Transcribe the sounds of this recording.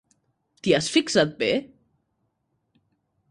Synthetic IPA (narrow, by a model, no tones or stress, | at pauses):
t̪iasfiksat̪̚be